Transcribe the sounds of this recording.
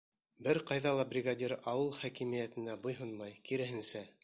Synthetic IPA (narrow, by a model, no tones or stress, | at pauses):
bɘɾqɑjðɑlˠɑbrʲɪɡadʲiɾɑwɤlˠχækimɘ̆jæt̪ɘ̆næbujɦɤnmɑjkiɾɘ̆ɦɘ̆nsæ